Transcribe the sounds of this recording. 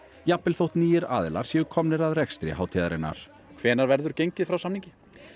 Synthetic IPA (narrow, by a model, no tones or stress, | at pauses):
japːɪlθowht̪niːjɪɾa̰ːðɪla̰ɾ̥sjɛɣʏkʰɔmnɪɾaðrɛkst̪ɾɪ̰hɦaːwt̪ʰiːðaɾɪnːa̰ɾ̥ | kʰvɛːnaɾvɛɾðʏɾcejɲcɪðfɾawsamniɲcɪ